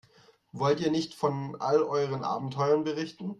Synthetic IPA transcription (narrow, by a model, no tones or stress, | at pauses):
vɔltiːɐnɪçtfɔnʔa̰lʔɔʏʁ̞ənʔa̰ːbm̩tʰɔʏʁɐnbəʁɪçtn̩